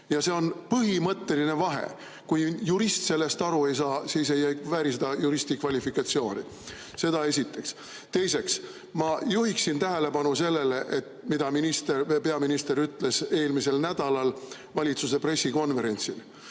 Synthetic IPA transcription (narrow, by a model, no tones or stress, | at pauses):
jɑse̞o̞npɤɦimɤt̪ːe̞line̞vɑɦe̞̰ | kujjuɾist̪se̞lːe̞st̪ɑɾue̞jsɑːsiːse̞jæjvæːɾised̪̥ɑjuɾist̪ikvɑlʲifikːˑɑt̪sio̞ːnʲḭ | se̞d̪̥ɑe̞sit̪ːˑe̞ks | t̪e̞jse̞ks | mɑjuɦiksint̪æɦele̞pɑnuse̞lːe̞leʔet̪mid̪ɑminist̪erepe̞ɑminist̪eɾyt̪ːˑle̞se̞ːlmise̞lnæd̪̥ɑlɑl | vɑlʲit̪suse̞pre̞sːiko̞nve̞ɾe̞nʲt̪sil